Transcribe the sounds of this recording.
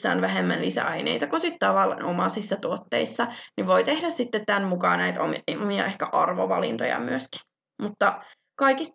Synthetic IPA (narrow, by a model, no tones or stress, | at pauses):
sːæ̰ːnʋæɦemːænlisæ̰ɑinḛit̪ɑkunsit̪t̪ɑʋɑlnomɑsisːɑt̪uot̪ːeisːɑniʋojt̪ehdæssit̪ːet̪t̪ænmukɑːnæit̪o̰miɑ̰ʔehkæʔɑrʋo̰ʋɑ̰lḭnt̪o̰jɑ̰myøski̥ | mut̪ːɑ | kɑikis